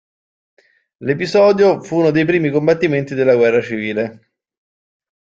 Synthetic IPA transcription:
lepizɔːd̪jofuːnod̪ejpɾiːmikombat̪ːiment̪id̪elːaɡwɛrːat͡ʃiviːle

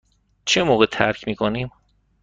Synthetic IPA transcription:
t͡ʃʰemoːɣet̪ʰæ̰ɾcʰmiːkʰoniːm

